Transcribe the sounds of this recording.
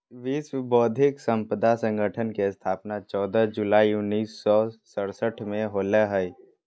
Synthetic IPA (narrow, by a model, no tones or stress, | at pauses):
ʋiːsbɔːd̪ʱɪksə̃mpɾəd̪ʱasə̃ŋɡʱəʈʰənkest̪ʰaːpnat͡ʃɔːd̪əd͡ʒʊlaːiʊnːiːsːɔsəɾsəʈʰmẽɦoːleɦəi